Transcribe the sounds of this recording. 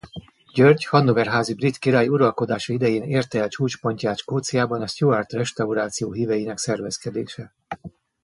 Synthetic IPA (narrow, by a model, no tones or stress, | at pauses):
ɟørɟhɒnːovɛrɦaːzibrit̪kiɾaːjuɾɒlko̞d̪aːʃɒid̪ɛjeːneːrt̪ɛlt͡ʃuːt͡ʃpo̞ɲcaːʃkoːt̪sijaːbɒnɛst̪joːaːrt̪rɛʃt̪ɒuɾaːt̪sijoːɦivɛjinɛksɛrvɛskɛd̪ḛːʃɛ